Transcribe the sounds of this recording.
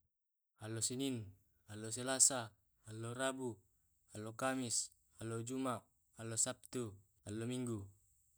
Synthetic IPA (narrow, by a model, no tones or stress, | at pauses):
alːosinin | alːos̬elasaː | lːorabu | alːokamis | alːod͡ʒumaʔ | alːosap̚t̪u | alːomiŋɡu